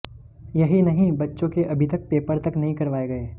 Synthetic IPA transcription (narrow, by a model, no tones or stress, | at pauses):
jɐɦinɐɦĩbɐtːʃõkeʔɐbʱit̪ɐk̚peːpəɾt̪ɐknɐɦĩkɐɾʋaːeɡɐeː